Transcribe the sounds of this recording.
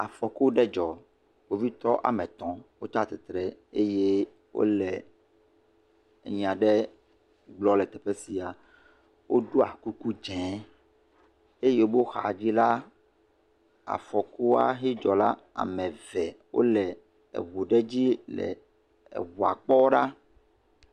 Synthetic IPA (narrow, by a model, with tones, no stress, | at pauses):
a˨fɔ˨ku˦ɖɛ˦d͡ʒɔ˨ | wo˦vi˦t̪ɔ˦ʔa̰˨mɛ̃˨t̪ɔ̃˨wo˦t͡ʃa˦t̪ɛ˨t̪ɾɛ˨e˦je˦ | wo̰˦lɛ˨ | ɲĩ˨ã˨ɖɛ˦ | ɡ͡blɔ˦lɛ˨t̪ɛ˨ɸɛ˦si˨a˨ | wo˦ɖo˦a˨ku˦ku˦d͡ʒɛ̃˨˦ | e˦je˦wo˦bo˦xa̰˨d͡ʑi˦la˦ | a̰˨fɔ˨ku˦a̰˦ɦi˦d͡ʒɔ˨la˦ | a̰˨mɛ̃˨vɛ˨wo̰˦lɛ˨ | ḛ˨βo˨ɖɛ˦d͡ʑi˦lɛ̰˨ | wu˨a̰˨k͡pɔ˦ɖa˦